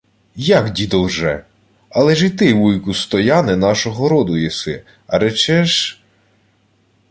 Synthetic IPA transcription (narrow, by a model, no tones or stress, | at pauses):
jakdʲid̪ɔwʒɛ | ɐlˠɛʒit̪ɪʋujkʊst̪ɔjɑnɛnɑʃɔɦɔɾɔd̪ʊjɛsɪ | ɐ̰ɾɛt͡ʃɛʒ